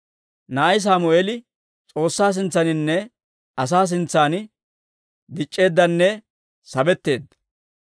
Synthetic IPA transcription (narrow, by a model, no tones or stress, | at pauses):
nɐɐjs̬aːmʊeːlɪ | t͡sʼo̞ːsːaːs̬ɪnt͡sːɐnɪnːɛ | ɐs̬aːs̬ɪnt͡sːaːnɪ | d̪ɪt͡ʃʼːe̞ːd̪ːɐnːɛ | sɐbɛt̪ːe̞ːd̪ːɐ̥